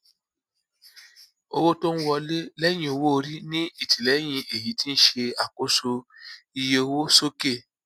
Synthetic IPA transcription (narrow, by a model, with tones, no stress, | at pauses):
o˧wo˦to˦n̩˦wɔ˧le˦lɛ˦j̃ĩ˧˦o˧wo˦o˧ɾi˦nĩ˦i˦˨tʰi˨lɛ˨˦j̃ĩ˧ʔe˨ji˨˦ti˦n̩˦ʃe˧a˨ko˦so˧i˧je˧o˧wo˦so˦ke˦˨